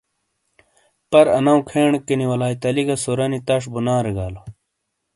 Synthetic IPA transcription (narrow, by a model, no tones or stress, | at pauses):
pɐɾɐnɐũkʰeːɳkiniwɐlaːit̪ɐliɡɐsoɾɐnit̪ɐʂbunaːɾeɡaːlo